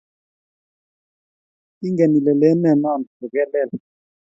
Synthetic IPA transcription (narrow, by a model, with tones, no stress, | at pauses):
i˦ŋɡɛ˨ni˨lɛ˨lɛ˦nɛ˨na˦˨m˨v̥u˨k̬ɛ˦lɛː˨la˨